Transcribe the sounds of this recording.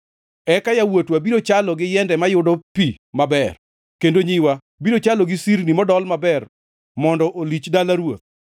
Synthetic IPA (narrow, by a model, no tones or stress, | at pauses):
ɛkajawotwabiɾot͡ʃalɔɡɪjɛndɛmajʊdɔpi | mabɛr | kendoɲiwa | biɾot͡ʃalɔɡɪsiɾnimɔdɔlmabɛr | mɔndɔʔolit͡ʃdalaɾwot̪̚